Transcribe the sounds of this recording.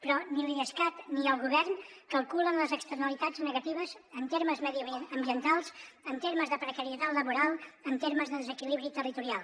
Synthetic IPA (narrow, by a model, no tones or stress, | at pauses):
pɾɔnilˠiəskat̪niəlˠɣuβɛrnkəlˠkulənləzəkst̪əɾnəlit̪ad͡znəɣət̪iβəzənt̪eɾməzmðiəmbiənt̪alˠzənt̪eɾməzðəpɾəkəɾiət̪at̪ləβuɾalˠənt̪eɾməzðəðəzəkiliβɾit̪ərit̪uɾialˠ